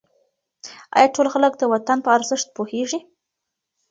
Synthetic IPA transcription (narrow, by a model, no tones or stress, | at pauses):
ɑ̰jɑʈolxalək̚d̪əwat̪anpəaɾzɪʂt̪̚poheʐi